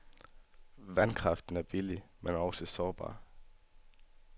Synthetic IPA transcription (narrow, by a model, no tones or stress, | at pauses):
ʋænkʰʁɑ̈fd̥n̩æɐb̥ilimenæɐɒsəsɒːb̥ɑ̰̈ː